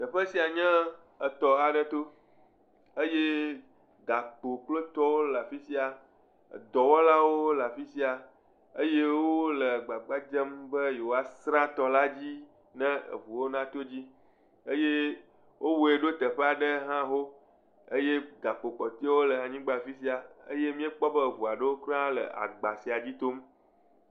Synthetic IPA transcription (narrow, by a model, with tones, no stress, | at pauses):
t̪ə˨ɸə˦si˨a˨ɲɛ̃˦ | ə˨t̪ɔ˨a˨ɖə˦t̪o˦ | ə˦je˦ | d̪a˨k͡po˨k͡plo˦t̪ɔ˦wo˦la˨fi˦si˦a˨ | d̪ɔ˨wɔ˦la˦wo˦la˨fi˦si˦a˨ | ə̰˦je˦woo˦lə˨ɡ͡ba˨ɡ͡ba˦d͡ʒɛ˦mbə˦je˨wo˨a˨sɾã˦t̪ɔ˨la˦d͡ʑi˦ | nɛ̃˦ə̰˨vu˨wo˦nã˦t̪o˦d͡ʑi˦ | e˦je˦ | wʔo˦wo˨e˨ɖo˦t̪ə˨ɸə˦a˨ɖə˦ɦã˦ɦo˦ | ə˦je˦d̪a˨k͡po˨k͡pɔ˨t̪i˦wo˦lə˨a˨ɲĩ˦ɡ͡ba˨fi˦si˦a˨ə̰˦je˦mĩ˦e˦k͡pɔ˦bə˦˨βu˨a˨ɖə˦wo˦kɾã˦lə̰˨ʔa̰˨ɡ͡ba˨si˨a˨d͡ʑi˦t̪o˦m